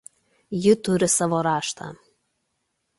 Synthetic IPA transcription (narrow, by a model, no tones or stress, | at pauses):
jɪt̪ʊɾʲɪsɑʋoɾɑːʃt̪ɑ̰